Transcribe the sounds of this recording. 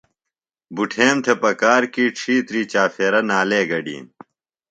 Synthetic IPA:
buʈʰeːmt̪ʰepɐkaːɾkiːʈ͡ʂʰiːt̪ɾiːt͡ɕaːfeːɾɐnaːleːɡɐɖḭːn

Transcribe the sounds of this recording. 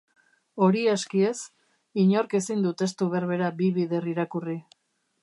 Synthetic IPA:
o̞ɾiaskie̞s | iɲo̞ɾke̞sind̪ut̪e̞st̪uβe̞ɾβe̞ɾabiβiðe̞riɾakuri

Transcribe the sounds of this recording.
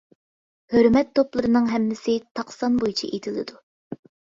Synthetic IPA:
høɾmɛt̪ʰːoplˠɨɾɨnɨŋɦɛmːɪsɪt̪ʰɑqsɑnbojt͡ʃʰḭʔet̪ʰɪlɪ̰d̪u

